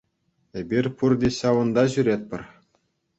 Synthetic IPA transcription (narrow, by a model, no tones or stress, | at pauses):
ebʲirʲpurd̪ʲeɕɑʋɤ̆nd̪ɑʑyɾʲet̪̚ʲpʲɘ̆rʲ